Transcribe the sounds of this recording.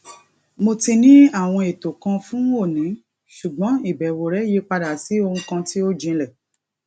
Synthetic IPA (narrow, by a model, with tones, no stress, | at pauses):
mo˧ti˧nĩ˦a˦˨w̃ɔ̃˧e˨to˨kã˧fũ˦o˦˨nĩ˨˦ | ʃu˨ɡ͡bɔ̃˨˦i˦˨bɛ˨wo˨ɾɛ˨˦˨je˦k͡pa˧da˨si˨˦o˧hũ˧kã˧ti˦o˦d͡ʒĩ˧˦lɛ˨